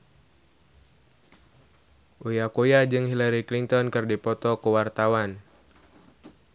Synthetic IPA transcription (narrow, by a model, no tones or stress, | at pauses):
ʔujakujad͡ʒɨŋɦilaɾiklint̪ɔnkɨrdipɔt̪ɔkuwart̪awan